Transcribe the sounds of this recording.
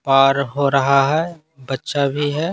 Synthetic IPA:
paːɾɦoɾɐɦaɦɛ | bɐtːʃabʱiɦɛː

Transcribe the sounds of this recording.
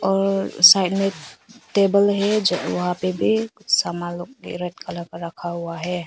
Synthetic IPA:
ɔɾsajt̚metebəlɦed͡ʒʔwɦapebisamalɔk̚ḭɾet̚kʰalakaɾakʰaɦuwaɦe

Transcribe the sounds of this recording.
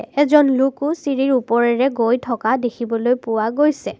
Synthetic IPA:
ɛzɔnlukusiɹiɹupɔɹɛɹɛɡojtʰɔkadekʰibɔlojpʊwaɡojsɛ

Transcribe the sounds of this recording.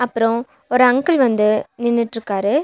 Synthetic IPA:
ɐpːɯɾõ | ɔɾɯɐŋɡɯlʋɐnd̪ɯnɪnːɯʈːɾɯkːaːɾɯ

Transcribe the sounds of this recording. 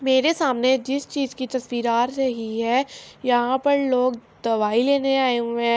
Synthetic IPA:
meːɾesaːmned͡ʒɪst͡ʃiːzkit̪ɐsʋiːɾaːɾɾɐɦiɦɛːjɐɦãpɐɾloːɡd̪ɐʋaːileːneaːeũmɛ̃ː

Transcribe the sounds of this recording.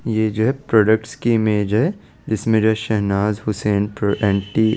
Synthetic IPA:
jed͡ʒoɦɛpɾɔːɖək̚ʈskimeːd͡ʒɦɛ | d͡ʒɪsmẽd͡ʒoɦɛʃɛɦnaːzhʊseːnpɛ̃ːɳʈi

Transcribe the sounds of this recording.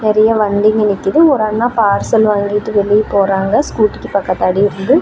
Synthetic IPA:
nɪɾɐjɐʋɐɳɖ̪ɪŋɡɯnɪkːɪðɯɔɾɐnːaːpaːɾsɐlʋaːŋɡɪʈːɯʋɛɭːɪjpoːɾaːŋɡɐskuːʈːɯkːɯpɐkːɐt̪ːaːɽiɪɾɯnd̪ɯ

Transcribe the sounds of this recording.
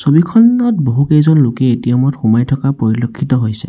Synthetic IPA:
sobikʰɔnɔt̚boɦukɛzɔnlʊkɛetijɔmɔtxumajtʰɔkapoɹilokʰːitɔɦojsɛ̰

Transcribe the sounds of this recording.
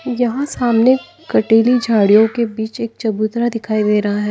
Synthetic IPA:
jɐɦãsaːmne | kɐʈeːlid͡ʒʱaːɽijõkebiːt͡ʃeːk̚t͡ʃɐbuːt̪ɾad̪ɪkʰaːid̪eːɾɐɦaɦɛː

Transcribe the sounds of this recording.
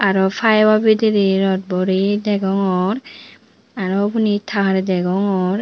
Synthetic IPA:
aɾɔfʰajwabidiɾiɾɔt̚bɔɾidɛɡɔŋɔɾ | aɾɔbunitʰaɦaɾdɛɡɔŋɔɾ

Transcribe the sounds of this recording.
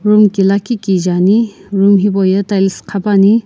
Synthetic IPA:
ɾumkilakikid͡ʒaniɾumɦibɔjɐtajliskʰabani

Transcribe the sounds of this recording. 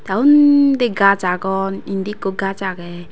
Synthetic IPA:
taundeɡat͡ʃaɡɔnindikoɡat͡ʃakɛ

